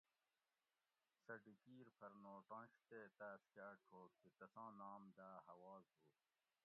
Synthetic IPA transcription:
sɐɖikiːɾpʰɐɾnoːʈãːɕt̪eːt̪aːskaːʈʰoːkk̪it̪ɐsãːnaːmd̪aːɦɐwɑːzɦoː

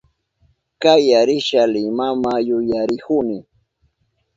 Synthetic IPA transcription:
kajaɾɪʃalɪmamajʊjaɾɪhʊnɪ

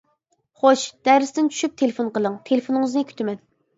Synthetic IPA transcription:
χoʃd̪̥æɾɪsd̪ɪnt͡ʃʰy̥ʃyp̚t̪ʰelefonqəlˠəŋt̪ʰelɪfonɨŋɨznɨkʲʰy̥t̪ʰɪmɛn

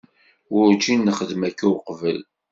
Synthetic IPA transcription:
wʊɾt͡ʃːinːəχəðmækːawqvəl

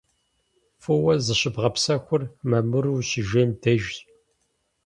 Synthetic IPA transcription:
fuwɐzɨɕɪbʁɐpsɐxʷʊrmɐmɨɾuːɕiʒentʰɐʒ

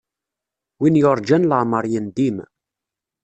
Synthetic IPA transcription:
winjoɾˤd͡ʒænləʕməɾˤjənd̪im

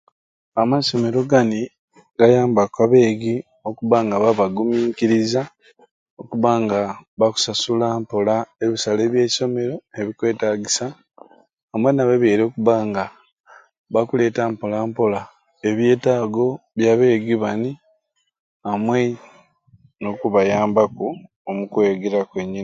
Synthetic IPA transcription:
amaso̞me̞ɾo̞ɡani | ɡajaːmbakwaβe̞ːɡi | o̞kuβaŋɡaβaβaɡumiːkiɾiza | o̞kuβaŋɡaβaku̥sasulampolaeβisale̞ːβje̞̥ːso̞me̞ɾo̞e̞βikwe̞ːtaːɡisaː | mwe̞naβeβjeːɾo̞ːkuβaːŋɡa | βakule̞ːtaːmpolaːmpola | eβje̞ːtaːɡo̞βjaβe̞ːɡiβani | amwe̞ | no̞kuβajaːmbaku | omukwe̞ːɡeɾakweɲːin

